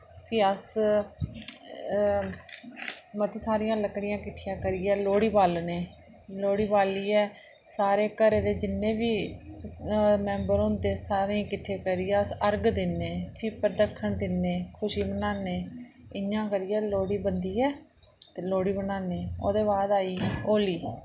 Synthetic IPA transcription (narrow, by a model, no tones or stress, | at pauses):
pʰiːəs | mət̪iːsaːɾɪjãːləkɽɪjãːkɪʈʰːɪjãːkəɾiːɛːloːɽiːbaːlneː | loːɽiːbaːliːɛː | saːɾeːkəɾeːd̪eːd͡ʒɪnːẽːbiː | mɛːmbəɾʊ̃nd̪eːsaːɾẽkɪʈʰːeːkəɾɪːãːsəɾɡd̪ɪnːeːpʰiːpəɾd̪əkʰːəɳd̪ɪnːeːkʰʊʃiːbənaːneː | ɪjãːkəɾɪjɛːloːɽiːbənd̪iːɛː | t̪eːloːɽiːbənaːneːo̰ːd̪eːβaːd̪aːiːoːliː